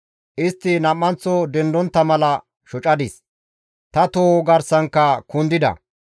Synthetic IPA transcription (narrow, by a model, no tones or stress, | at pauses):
ʔɪst̪ːɪnɐmːɐnt͡sːɔd̪ɛnd̪ɔnt̪ːɐmɐlɐ | ʃɔt͡ʃʼɐd̪ɪs | t̪ɐt̪oːɡɐɾsɐŋkːɐkʊnd̪ɪd̪ɐ̰